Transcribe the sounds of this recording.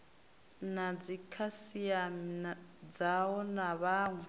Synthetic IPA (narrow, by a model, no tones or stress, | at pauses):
nad͡zikʰasiamd͡zawɔnaβaːŋɛ